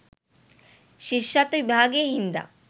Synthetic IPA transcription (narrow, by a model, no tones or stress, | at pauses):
ʃiʃːat̪oʋibʱaɡeɦind̪a̰